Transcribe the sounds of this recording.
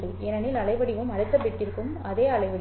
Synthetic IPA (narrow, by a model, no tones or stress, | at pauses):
ɯ | ɛnɐnɪlɐɭɐɪʋɐɽɪʋɯmɐɽɯt̪ːɐpːɪʈːɪɾɯkːɯmɐðeːɐɭɐɪʋɐɽ